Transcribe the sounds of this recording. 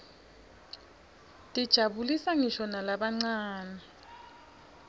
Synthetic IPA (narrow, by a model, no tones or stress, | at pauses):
tʼid̥ʒ̥ʱabulisaŋiʃɔnalaɓaŋ͡ǀaːna